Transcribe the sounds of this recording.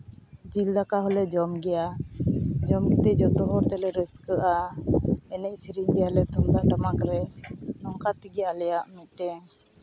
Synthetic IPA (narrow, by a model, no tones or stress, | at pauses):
d͡ʒild̪akaɦɔlɛd͡ʒɔmɡɛja | d͡ʒɔmɡɛt̪ɛʔd͡ʒɔt̪ɔɦɔɾt̪ɛlɛɾəskəʔa | ɛnɛc̚siɾiɲɡɛjalɛt̪ɔmd̪aʔɖəmakɾɛnɔŋkat̪iɡɛalɛjaʔmit̪̚ʈɛŋ